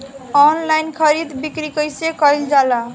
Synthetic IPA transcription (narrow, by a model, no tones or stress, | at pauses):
ɔnlajnkʰəɾid̪bikɾikəjsekəjld͡ʒala